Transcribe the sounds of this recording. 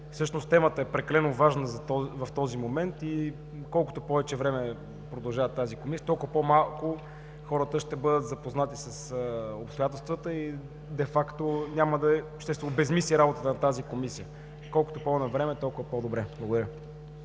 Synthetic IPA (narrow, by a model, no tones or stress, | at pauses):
fsɤʃnost̪ɛmət̪əɛpɾɛkɐlɛnovaʒnəzɐt̪ɔvɐft̪ɔzimomɛnt̪i | kɔlˠkʊ̥t̪opɔvɛt͡ʃɛvɾɛmɛ | pɾod̪ɐlˠʒavət̪ːazikomisiət̪ɔlˠkʊvəpɔmalˠkʊ | xɔɾət̪əʃt̪ɛbɤd̪ət̪zɐpoznat̪isɐsəopst̪ojat̪ɛlˠst̪vət̪əi | d̪ɛfakt̪onʲaməd̪ɐʃt̪ɛst̪vuvəbɛzmisliɾabot̪ət̪ənɐt̪azikomisijə | kɔlˠkʊt̪opɔnɐvɾɛmɛt̪ɔlˠkʊvəpɔd̪obɾɛblˠəɡʊd̪əɾʲə